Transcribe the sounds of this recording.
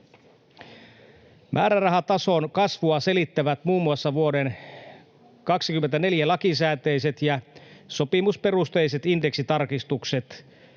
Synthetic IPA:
mʔæːɾærɑɦɑt̪ɑso̞nkɑsʋuɑse̞lit̪ːæʋæt̪muːmːuɑsːɑʋuo̞den | kɑksikymːent̪æne̞ljælɑkis̬æːt̪ejse̞t̪jɑsopimuspe̞rust̪e̞jse̞t̪ind̪e̞ksit̪ɑrkist̪ukset̪

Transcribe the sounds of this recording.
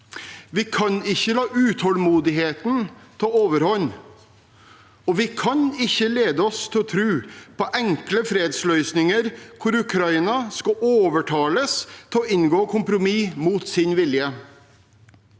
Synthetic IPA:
ʋɪkʰɑnɪçːəlɑːʔʉːt̪ʰhɔlmuːd̪ɪɦeːt̪nt̪ʰɑoːʋəɾhɔɲː | ɔʋɪkʰɑnɪçːəleːd̪əɔst̪ʰɪlɔt̪ʰɾʉːpɔʔɛŋkləfɾeːd̪slœʏsnɪŋəɾkʰʊɾʉkʰɾɑiːnɑskɑoːʋəʈʰɑːləst̪ʰɪlɔɪnɡoːkʰʊmpɾʊmiːmuːt̪sɪnʋɪljə

